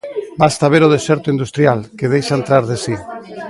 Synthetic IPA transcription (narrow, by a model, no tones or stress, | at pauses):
bast̪aβ̞eɾoðesɛɾt̪oind̪ust̪ɾjalkeð̞ejʃaent̪ɾaɾðesi